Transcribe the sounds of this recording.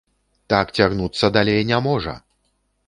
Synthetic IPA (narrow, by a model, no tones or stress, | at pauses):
t̪akt͡sʲaɣnut̪sːɐd̪alʲejnʲamɔʐɐ̰